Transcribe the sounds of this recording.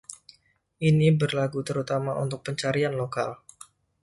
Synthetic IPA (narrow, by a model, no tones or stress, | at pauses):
ʔinibərlaɡut̪əɾut̪amaʔṵnt̪ʊk̚pəɲt͡ʃaɾianloka̰l